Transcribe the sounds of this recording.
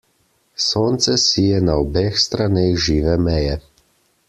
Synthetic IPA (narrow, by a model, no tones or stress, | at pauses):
soːnt̪sɛsiːjɛnaɔbeːxst̪ɾaneːxʒiːʋɛmɛjɛ